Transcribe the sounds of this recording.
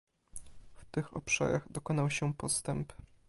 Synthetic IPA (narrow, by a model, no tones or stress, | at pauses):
ft̪ɘxɔ̰pʂa̰ɾa̰ɣd̪ɔkɔnawɕɛpɔst̪ɛmp